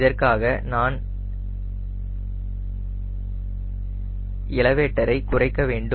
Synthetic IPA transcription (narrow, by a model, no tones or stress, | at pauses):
ðɐrkaːɣɐnaːn | ɪɭɐʋeːʈːɐɾɐɪkʊrɐɪkːɐʋeːɳɖɯ